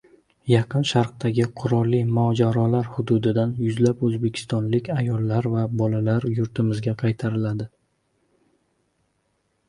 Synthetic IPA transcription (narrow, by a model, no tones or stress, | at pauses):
jɑqʰɨnʃɑɾq̚d̪aɡʲɪqʰʊɾɒlˠːimɒd͡ʒaɾɒlaɾhʊd̪ʊd̪ɪd̪anjʊzlapɵzbe̞kʲʰɪ̥st̪ɒnlɪkʲajɒlˠːaɾvabɒlalaɾjʊɾt̪ʰɪmɪzɡʲaqʰɑjt̪ʰaɾɪlad̪ɪ